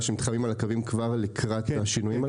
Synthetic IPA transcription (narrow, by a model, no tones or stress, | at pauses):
ʃemit̪χamimalakavimkvaʁlikʰʁat̪aʃinujima